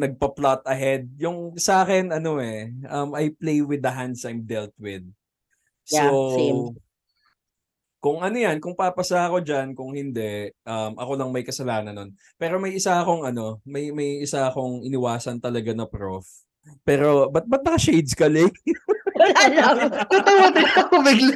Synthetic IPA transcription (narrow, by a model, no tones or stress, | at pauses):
nɐɡ̚pɐplat̪̚ɐɦɛd̪̚jʊŋsaːkɛnɐno̞ɛʔɐmɐjplejwɪd̪ɐɦand̪sajmd̪ɛlt̪̚wɪd̪̚ | so | kʊŋʔɐno̞jankʊŋpapɐsaɐko̞d͡ʒankʊŋhɪnd̪ɛʔɐmʔɐ̰ko̞lɐŋmɐjkɐsɐlaːnɐnːon | pɛːɾo̞mɐjʔɪsaʔɐko̞ŋɐno̞mɐjmɐjʔɪsaɐko̞ŋʔɪnɪwaːsɐnt̪ɐlɐɡanɐpɾof | pɛːɾo̞bɐt̪̚bɐt̪̚b̪ɐkaʃejd̪skɐlɪ | wɐlaːlɐt̪ɐt̪ʊot̪ɛkɐobɪɡl